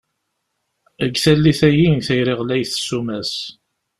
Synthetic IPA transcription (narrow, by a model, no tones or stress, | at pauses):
əɡθælːiθæjinθæjɾiʁlæjθə̥sːumæs